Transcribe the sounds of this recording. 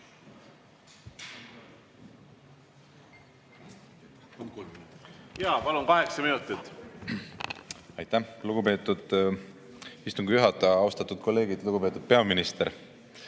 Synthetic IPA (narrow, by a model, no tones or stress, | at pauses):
jɑːpɑlunkɑɦe̞ksɑminut̪ːit̪ːˑ | ɑjt̪ːæluɡ̥upe̞ːt̪ːˑud̪̥ | ist̪uŋɡijuɦɑt̪ːˑɑɑwst̪ɑt̪ːˑud̪̥̚kʰo̞lːeːɡid̪̥luɡupe̞ːt̪ːˑud̪̥̚pe̞ɑminist̪e̞ɾ